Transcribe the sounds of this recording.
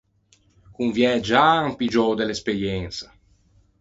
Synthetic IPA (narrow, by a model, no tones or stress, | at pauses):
kunvjɛd͡ʒaampid͡ʒɔwd̪elespeɾjɛnsa